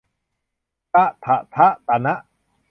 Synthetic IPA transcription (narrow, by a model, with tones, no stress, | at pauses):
t̪a˦˥ʔt̪ʰa˧ʔt̪ʰa˦˥ʔt̪a˨˧˨na˦˥ʔ